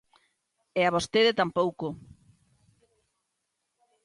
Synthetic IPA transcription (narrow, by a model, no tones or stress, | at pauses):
ɛaβ̞ost̪eðet̪ampowko